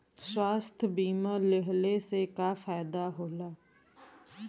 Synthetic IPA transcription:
swaːst̪ʰbiːmaːleɦleːseːkaːfʰaːjd̪aːɦoːlaː

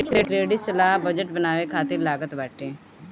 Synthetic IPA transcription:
ɪʈeːʈɾeːɽiːsəlaːɦbəd͡ʒəʈ̚bənaːʋeːkʰaːt̪ɪɾlaːɡət̪bɛːʈeː

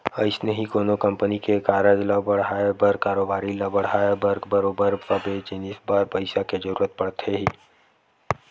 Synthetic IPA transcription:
ɐɪsneɦikoːnokɐ̃mpənikekaːɾəd͡ʒlɔbɐɽ̤ɦaːebəɾkaːɾoːbaːɾilɔbəɽ̤aːebəɾɡbəɾoːbəɾpɐbed͡ʒinɪsbaːɾpɐɪsaked͡ʒəɾṵːɾət̪̚pɐɽt̪ʰeɦiː

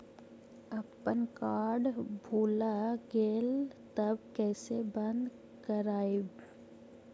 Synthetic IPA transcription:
ɐpənkaːɾɖbʱuːlaɡeːlt̪əbkɛːsebə̃nd̪ | kəɾaːeb

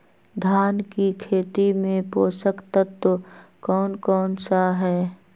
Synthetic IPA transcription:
d̪ʱjaːnkikʰeːt̪imẽpoːsəkt̪ət̪ːokɔːnkɔːnsaɦɛː

